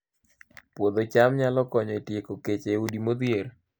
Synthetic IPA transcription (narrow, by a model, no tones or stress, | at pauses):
pwod̪ot͡ʃamɲalɔkɔɲɔitjekoket͡ʃeudimod̪jeɾ